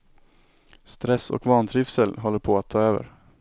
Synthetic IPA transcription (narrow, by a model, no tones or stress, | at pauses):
st̪ɾɛsɔ̰kvɑːnt̪ʰɾyːfsəlɦɔlːəɾpʰɔat̪ʰːɑːøːvə̰ɾ